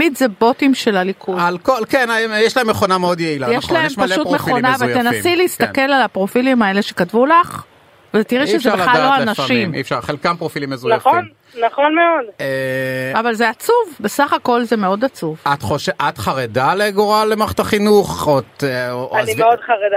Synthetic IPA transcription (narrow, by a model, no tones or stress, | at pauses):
midzebo̞timʃe̞lalikʰualkolkenaejɛʃlaemːeχo̞nameod̪jeilajeʃlaemmalʃutmeχonaavt̪enasmileist̪anke̞lalapʁo̞filimae̞leʃe̞katvulaχ | vet̪iʁɛʃezʃebelallːoanaʃʃiimḭfʃaʁχelkampʁofilimezunaafomn | naχonmeodeavalzeat͡suvbe̞saχako̞lzemeo̞dat͡suvat̪χoʃeʔat̪χaʁedaleɡoʁalemaχt̪aχinuχot̪aieodχaʁeda